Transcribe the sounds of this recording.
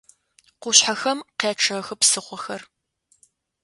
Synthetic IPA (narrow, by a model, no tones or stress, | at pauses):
qʷʊɕħaxɐmqeːʈ͡ʂʰɨxɨpsɨχʷɔxɐr